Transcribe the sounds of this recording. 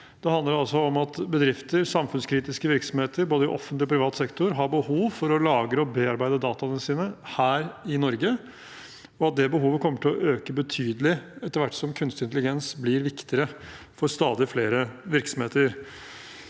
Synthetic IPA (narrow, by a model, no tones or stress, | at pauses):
d̪̥ɛhɑnd̪əɾɑlsɔɔmɑt̪bəd̪ɾɪft̪əɾsɑmfʉnskʰɾiːt̪ɪskəʋɪɾksɔmheːt̪ʰəɾboːd̪əɪʔɔ̰fːənt̪lɪɔpɾɪʋɑːt̪sɛkt̪ʊɾɦɑɾbəhuːʋfɔɾɔlɑːɡɾəɔbeːɑɾbæɪd̪əd̪ɑːt̪ɑnəsiːnəhæːɾɪnɔɾɡə | ɔɑt̪̚d̪ɛbəɦuːʋəkʰɔmːəʈʰɪlɔ̰ʔøːkəbət̪ʰyːd̪əlɪɛt̪ːəɾʋæʈːsɔmkʰʉnst̪ɪnt̪əlɪɡɛnsblɪɾʋɪkt̪ɪɾə | fɔɾst̪ɑːd̪ɪfleːɾəʋɪɾksɔm̩heːt̪əɾ